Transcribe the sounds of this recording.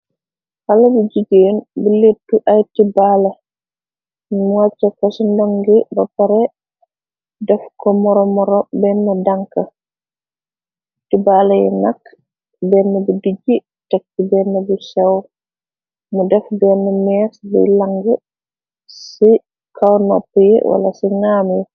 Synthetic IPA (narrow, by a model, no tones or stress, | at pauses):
halɐbiɟuɡeːnbilitːuʔɐjtibalɐ | nmuwat͡ʃːɐkɐsindaŋɡibɐpɐɾɛ | dɛfkɔmɔɾɔmɔɾɔbɛnːɐdaŋkɐ | tibalajɛ̰nakː | bɛnːɛbudiɟi | tɛk̚tibɛnːɛbusɛw | mudɛfbɛnɛmɛsbɛ̰laŋɡə | si | kawnɔ̰pːjɛ̰wa̰la̰siŋamjɛ